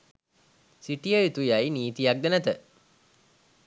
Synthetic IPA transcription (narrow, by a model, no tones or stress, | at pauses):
siʈijəit̪ujajniːt̪ijak̚d̪ənæt̪ə